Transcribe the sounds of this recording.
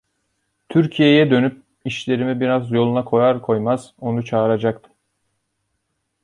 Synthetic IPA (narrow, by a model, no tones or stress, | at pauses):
t̪ʰyɾcʰije̞jɛd̪ø̞nyp̚ | iʃlʲe̞ɾimibiɾazjo̞lˠunakʰo̞jaɾkʰo̞jmaz̥o̞nut͡ʃʰaːɾad͡ʒakt̪ʰɯm